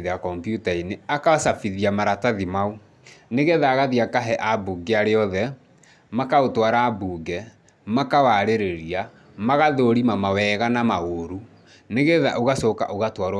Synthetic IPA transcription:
ðeakɔmpjutaineakaasafiðiamaɾataðimau | neɣeðaːɣaðiakaɦɛʔabuɡeaɾeɔðɛ | makaotwaɾaːbuɡɛ | makawaɾeɾeɾia | maɣaðoɾimamawɛɣanamaɣoɾu | neɣeða̰ʔoɣasoka̰ʔoɣatwaɾ

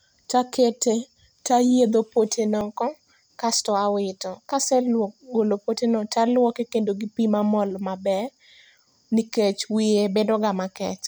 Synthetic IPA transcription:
takete | tajed̪opotʰenɔkɔ | kastɔawɪtɔkasɛlɔɡolopotenɔtalwɔkekendoɡipimamɔlmabɛ | niket͡ʃwɪebedɔɡamakɛt͡ʃ

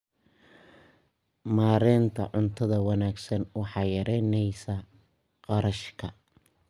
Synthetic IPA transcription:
maːɾɛːnt̪ʰɐ̰ʕʊnt̪ʰɐðɐwɑnaːɡsɐnwɑħɑːjɐɾɛːnɛjsɐ | qɑɾɐʃkʰɐ

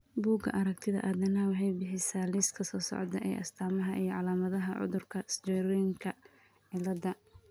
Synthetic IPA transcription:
buːɡɐ̰ʔɐɾɐk̚t̪ʰɪðɐ̰ʔaːðɐnɐwħɛjbɪħɪsaːliːskʰɐsɔːsɔ̰ʕd̪ɐ̰ʔɛ̰jʔɐ̰st̪ʰaːmɐɦɐʔijɞʕɑlaːmɐðɐɦɐʕʊ̰ðʊrkʰɐsd͡ʒɛɾɔjɪŋkʰɐ | ʕɪlɐd̪ɐ

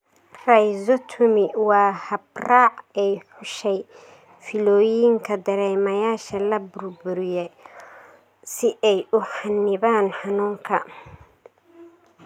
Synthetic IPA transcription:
rɛjzɔt̪ʰʊmɪwɑːhɐbraːʕɛjħʊʃɛj | fɪlɔːjɪŋkʰɐd̪ɐɾɛːmɐjaːʃɐlɐbʊrbʊɾɪjɛ | sɪʔɛjʔʊħɑnːɪβaːnħɑnuːŋkʰɐ

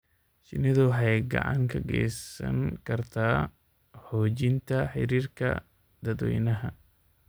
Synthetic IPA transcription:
ʃɪnɪðʊwħɑjɡɑ̰ʕɑ̰ŋkʰɐɡɛ̰jsɐ̰ŋkʰɐrt̪ʰaː | hɔːt͡ʃɪnt̪ʰɐħɪ̰ɾiːrkʰɐ̰ | d̪ɐd̪wɛ̰jnɐɦɐ

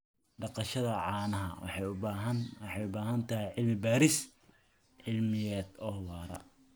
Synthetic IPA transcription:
ɖɑqɑʃɐðɐʕɑːnɐɦɐ̰wħɑɦnwɑħɑjʊbaːɦɐnt̪ʰɐɦɛjʕɪlmɪbaːɾɪs | ʕɪlmɪjɛːd̪ɔːwɑːɾɐ̰

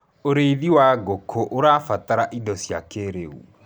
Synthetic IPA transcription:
oɾeiðiwaɡokʰoʔoɾaːfataɾaʔidɔsja̰keɾeṵ

